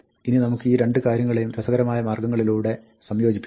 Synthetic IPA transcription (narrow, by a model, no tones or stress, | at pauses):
ininɐmukːɨiːɾe̞ɳɖɨkaːɾjɐŋːɐɭejumɾɐsɐɡɐɾɐmaːjɐmɐːrɡɐŋːɐɭiluːɽe̞ | sɐmjo̞ːd͡ʑipːi